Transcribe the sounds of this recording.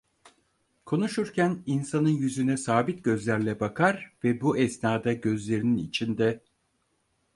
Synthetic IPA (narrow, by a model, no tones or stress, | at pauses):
kʰo̞nuʃuɾcʰæninsanɯnjyzynɛsaːbit̪̚ɟø̞zlʲæɾlʲɛbakʰaɾvɛbuʔɛsnaːd̪aɟø̞zlʲe̞ɾininḭt͡ʃʰind̪ɛ